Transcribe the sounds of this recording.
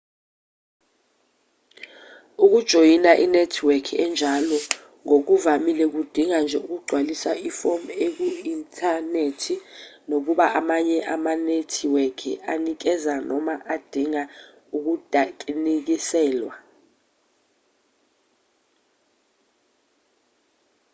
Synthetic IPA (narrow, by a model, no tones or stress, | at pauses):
uk̬ud̥ʒ̥ʱojinaʔinetʰwekʰiɛnd͡ʒʱalɔ | ŋok̬uvamilɛk̬ud̥ʱiŋand͡ʒʱɛuk̬uɡ͡ǀʱwalisaʔifɔmek̬uintʰʼanetʰinok̬uɓaʔamaɲɛʔamanetʰiwɛkʰḭanik̬ɛzanɔmaʔad̥ʱiŋa | uk̬ud̥ʱak̬ʼinik̬isɛːlwa̰